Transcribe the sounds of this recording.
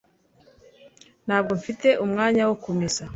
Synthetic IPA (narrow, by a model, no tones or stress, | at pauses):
n̥haːb̚ɡo̞ɱfite̞ʔumŋaːɲawokomisa